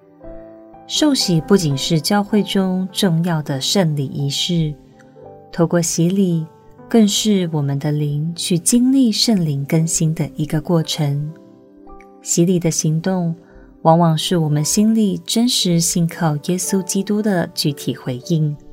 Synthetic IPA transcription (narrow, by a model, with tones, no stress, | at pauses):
ʂo˥˩ʊɕi˨˩pu˥˩t͡ɕi˨˩nʂɻ̩˥˩t͡ɕjɑ˥ʊxwe˥˩ɪʈ͡ʂʊ˥ŋʈ͡ʂʊ˥˧ŋjɑ˥˩ʊd̪ə˩ʂə˥˩nli˨˩ʔi˧˥ʂɻ̩˥˩ | t̪ʰo˥˧ʊkwɔ˥˩ɕi˧˥li˨˩ | kə˥˧ŋʂɻ̩˥˩wɔ˨˩mə˦nd̪ə˧li˧˥ŋt͡ɕʰy˥˩t͡ɕi˥nli˥˧ʂə˥˩ŋli˧˥ŋkə˥nɕi˥nd̪ə˨ʔi˧˥ɡə˧kwɔ˥˩ʈ͡ʂʰə˧˥ŋ | ɕi˧˥li˨˩d̪ə˦ɕi˧˥ŋt̪ʊ˥˩ŋ | wɑ˧˥ŋwɑ˨˩ŋʂɻ̩˥˩wɔ˨˩mə˨˦nɕi˥nli˥˨˩ʈ͡ʂə˥nʂɻ̩˧˥ɕi˧˥˩nkʰɑ˥˩ʊjɛ˥su˥t͡ɕi˥t̪u˥d̪ə˨t͡ɕy˧˥t̪ʰi˨˩xwe˧˥ɪi˥˩ŋ